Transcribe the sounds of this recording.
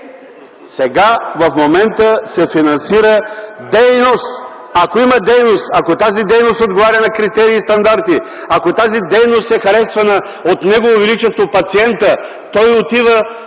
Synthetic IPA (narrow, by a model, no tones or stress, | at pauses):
sɛɡavɐfmomɛnt̪əsɛfinɐnsiɾəd̪ɛjnost̪ | akoimɐd̪ɛjnost̪akot̪azid̪ɛjnost̪od̪ɡovaɾʲɐnɐkɾit̪ɛɾiːst̪ɐnd̪aɾt̪i | akot̪azid̪ɛjnost̪ɛxɐɾɛsvɐnə | ot̪nɛɡovovɛlit͡ʃɛst̪vopɐt̪siɛnt̪ə | t̪ɔjot̪ivə